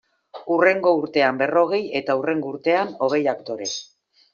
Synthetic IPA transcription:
ure̞ŋɡo̞uɾt̪e̞ambe̞ro̞ɣ̞e̞je̞t̪aure̞ŋɡo̞uɾt̪e̞ano̞ɣ̞e̞jakt̪o̞ɾe̞

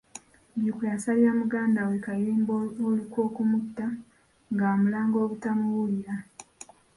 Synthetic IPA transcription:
bjukujasaljamuɡaːndawekajiːmboolikwo̞ːkumutːa | ŋɡaomulaːŋɡo̞ːβutamuβulja

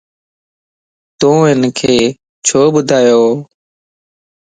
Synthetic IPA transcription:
t̪ũːɦɪnkʰeː | t͡ʃʰoːbʊd̪ʱaːjoː

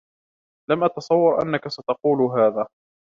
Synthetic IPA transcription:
lamʔɑt̪ɑsˤɑwːɑɾʔa̰nːakasat̪ɑquːlɦaːðaː

